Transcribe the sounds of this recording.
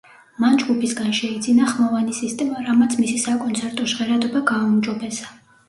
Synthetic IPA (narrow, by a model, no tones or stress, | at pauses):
mand͡ʒɡupʰisɡanʃɛid̪zinaχmɔvanisist̪ʼɛmaɾamat̪sʰmisisakʼɔnt̪sʰɛɾt̪ʼɔʃʁɛɾad̪ɔbaɡaumd͡ʒɔbɛsa